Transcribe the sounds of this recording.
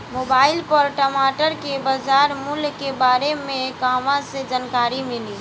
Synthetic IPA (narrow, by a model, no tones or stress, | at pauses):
moːbaːɪlpəɾʈəmaːʈəɾkebəd͡ʒaːɾmʊlkebaːɾemẽkaːmãsed͡ʒaːnkaːɾimɪli